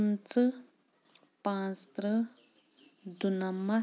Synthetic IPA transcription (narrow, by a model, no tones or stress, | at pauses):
nt͡sə | pãːst̪ɾə | d̪unɐmːɐ